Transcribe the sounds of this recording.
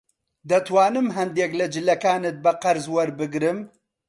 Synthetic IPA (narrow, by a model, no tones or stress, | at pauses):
d̪ɐt̪waːnɨmɦɐnd̪eːklɐd͡ʒɪlɐkaːnɨt̪̚bɐqɐɾzwɐɾbɨɡɾɨm